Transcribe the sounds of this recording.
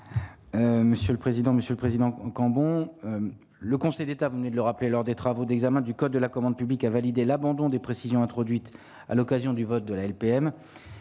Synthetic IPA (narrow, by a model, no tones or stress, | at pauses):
øməsjøləpχezid̪ɑ̃məsjøləpχezid̪ɑ̃kɑ̃bɔ̃ | ləkɔ̃sɛjd̪et̪avuvəned̪ələʁaplelɔʁd̪et̪χavod̪ɛɡzamɛ̃d̪ykɔd̪̚ːəlakɔmɑ̃d̪̚pyblikavalid̪elabɑ̃d̪ɔ̃d̪epχesizjɔ̃ɛ̃t̪χɔd̪ɥit̪ | a̰lɔkazjɔ̃d̪yvɔt̪̚d̪əlaɛlpeɛm